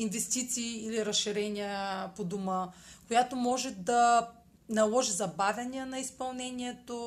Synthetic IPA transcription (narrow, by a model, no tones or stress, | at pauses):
invɛst̪it̪siːliɾɐsʃiɾɛnʲiəpod̪oməkojat̪omɔʒɛd̪ɐ | nɐlˠɔʒizɐbavʲɐniənɐispɐlˠnɛniɛt̪o